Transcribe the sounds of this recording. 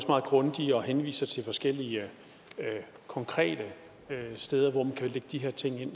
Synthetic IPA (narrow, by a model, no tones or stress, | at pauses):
smɑ̈ːð̩ˠɡ̥ʁɔ̽nd̥iɒ̽henʋḭːsɐt͡sʰe̝lfɒ̽sɡ̥el̰iə | kʰɒ̽ŋkʰʁɛ̰ːd̥ə | øsd̥eːð̞ˠɐʋɒmænkʰæleɡ̥əd̥iɦɛɐ̰t͡sʰe̝ŋ̰e̝n̰